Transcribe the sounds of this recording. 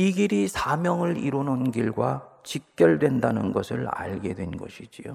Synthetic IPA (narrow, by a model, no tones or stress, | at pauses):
iɡiɾisʰamjʌŋɯɭiɾononɡiɭɡwat͡ɕik̚k͈jʌɭdwe̞ndanɯnɡʌsʰɯɭa̰ɭɡe̞dwe̞nɡʌ̰ɕʰid͡ʑijo̰